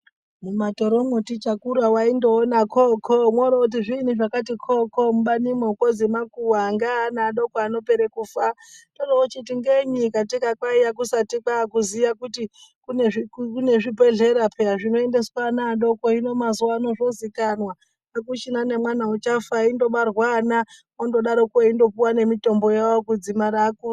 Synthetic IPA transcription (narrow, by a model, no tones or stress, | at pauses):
mumato̞ɾomotit͡ʃakuɾwawaindoːnakʰokʰomwoɾout̬iʐinuʐakatikʰokomuɓanimweukozimakuwaŋɡanaːɗo̞koano̞peɾekufatonoot͡ʃitiŋɡeɲikatikakwaijak̬usatikakuziʋakutikuneʐikkune̞ʐibʱe̞ɮe̞ɾapʰeaʐino̞ende̞swanaːɗo̞koino̞mazuwaːno̞ʐozikanwa | ak̬ut͡ʃinane̞mwanaut͡ʃafaindo̞ɓarwana | ondo̞ɗaɾokueindo̞puwane̞mito̞mbo̞jawokud͡zimaɾaːku